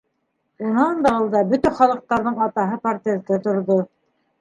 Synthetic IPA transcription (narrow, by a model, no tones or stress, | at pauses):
unɑnd̪ɑ̆lˠd̪ɑbɵt̪æχɑlˠɤ̆q̚t̪ɑɾðɤɴɑt̪ɑɦɤpart̪ʲezt̪ɘt̪ŏɾðo